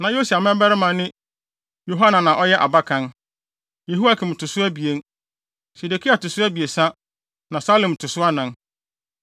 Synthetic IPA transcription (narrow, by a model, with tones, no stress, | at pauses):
nã˨jo˦su˨a˨mɛ̃˦bɛ˦ɾɪ˦mã˨˦nɪ̃˦ | jo˨ɦa˦nã˨nã˨ʔɔ˦jɛ˦ʔa̰˨ba˦kʰã˦n | je˨ɦu˦a˦kʰɪ̃˨m̩˨tʰʊ˨sʊ˦æ˦bi˨e˦n˦ | se˨de˨kʰi˦a˨tʊ˨sʊ˦æ˦bi˨e˨sã˦ | nã˨sa˦lõ˨m˨tʰʊ˨sʊ˦a˦nã˨n